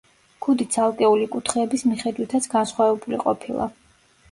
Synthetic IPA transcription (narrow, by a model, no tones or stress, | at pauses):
kʰud̪it̪sʰalˠkʼɛulikʼut̪ʰχɛːbismiχɛd̪wit̪ʰat̪sʰɡansχwavɛbulḭqʼɔ̰pʰilˠa̰